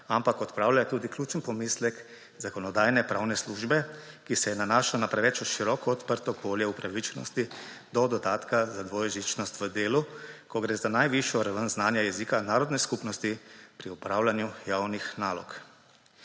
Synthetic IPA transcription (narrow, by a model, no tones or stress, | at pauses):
ampakɔt̪pɾaːwlajɛt̪uːd̪iklʲjuːt͡ʃənpɔmislɛk | zakɔnɔd̪aːjnɛpɾaːwnɛsluːʒbɛ | kisɛjɛnanaːʃalɔnapɾɛʋɛt͡ʃuʃiɾɔkɔɔt̪pəɾt̪ɔpoːljɛupɾaʋit͡ʃnɔ̰st̪i | d̪ɔd̪ɔd̪aːt̪kazad̪ʋɔːjʒit͡ʃnɔst̪ʋəd̪eːlukɔɡɾeːzanajʋiʃjɔɾaʋənznaːnjajɛziːkanaːɾɔd̪nɛskupnɔst̪ipɾiupɾawlanjujaːwnixnaːlɔ̰k